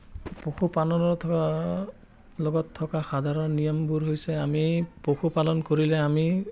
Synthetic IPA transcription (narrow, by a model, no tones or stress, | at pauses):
poxupanɔnɔtʰɔa | lɔɡɔtʰːɔkaxad̪ʱaɹɔnnijɔmbuɹɦojsɛamipoxupalɔnkoɹilɛami